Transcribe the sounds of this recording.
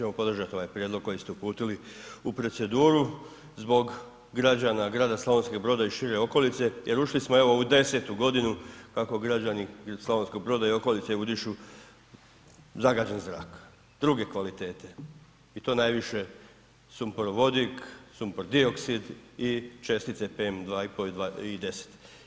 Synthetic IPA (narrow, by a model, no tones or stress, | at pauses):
t͡ʃemo̞po̞d̪rʒat̪io̞ʋajpɾjed̪lˠoɡ̚ko̞jist̪eupuːt̪iliupɾo̞t̪se̞d̪uːɾu | zbo̞ɡː | ɾad͡ʑanaɡɾaːd̪aslaʋonsko̞ɡ̚bɾo̞ːd̪aiʃiɾe̞o̞ko̞lit̪se̞jʔe̞ɾuʃlismoe̞ʋo̞ud̪e̞se̞t̪uɡo̞d̪inukako̞ɡɾad͡ʑanisloʋonsko̞ɡbɾo̞ːd̪aio̞ko̞lit̪seud̪iʃu | zaɡaːd͡ʑenzɾa̰ːk | d̪̥ɾuɡe̞kʋalit̪e̞ːt̪e | it̪o̞ːnajʋiʃe̞ | sumpɾʋo̞d̪iksumpɾd̪io̞ksid̪it͡ʃe̞st̪it̪sepemd̪ʋaːipoid̪aid̪e̞se̥t̪